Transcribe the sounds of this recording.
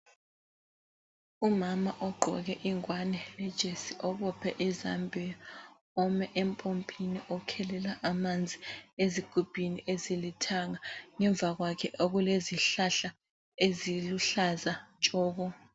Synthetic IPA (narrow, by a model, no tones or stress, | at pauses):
umamaʔɔɡ͡ǃʱɔ̰ɣ̬ɛʔiŋwanɛlɛd̥ʒ̥ʱesiʔɔɓɔpʰɛ̰ʔiza̰mbʱija | ɔmɛʔɛmpʼompʼiniʔɔkʰɛlɛlaʔamand͡zʱieziɡ̥ʱub̥ʱiniʔezilitʰaŋaŋɛɱb̪vaɣwakʰɛʔoɣuleziɬaɬa | eziluɬazant͡ʃʼɔːɣ̬ɔ